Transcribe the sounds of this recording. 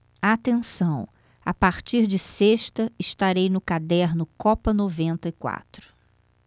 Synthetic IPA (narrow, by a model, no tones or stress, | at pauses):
at̪ẽsɐ̃w̃ | a̰paɾt͡ʃiɾd͡ʒɪseʃt̪ɐɪʃt̪aɾejnʊkad̪ɛɾnʊkɔpɐnovẽnt̪ɐɪkwa̰t̪ɾʊ̥